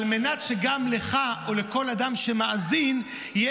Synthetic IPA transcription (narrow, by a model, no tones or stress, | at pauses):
lme̞natʃeɡamleχao̞le̞ko̞ladamʃemaʔazin | je